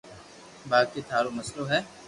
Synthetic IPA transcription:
baːd̪̚ket̪ʰaːɾomɐsloɦɛː

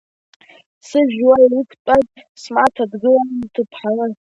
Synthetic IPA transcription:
sɨʒwailikʷʰpʼatʼsmʕatʰadɡɨlanɨntʰɨpʰħalɨ

